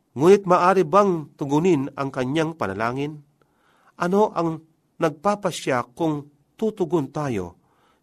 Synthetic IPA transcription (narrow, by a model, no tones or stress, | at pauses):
ŋuːnɪt̪̚maːʔaːɾɪbaŋt̪ʊɡʊnɪna̰ŋkɐɲjaŋpana̰laːŋɪn | ʔɐnoʔaŋ | nɐɡ̚paːpaʃjakʊŋ | t̪ut̪ʊɡʊnt̪aːjo̰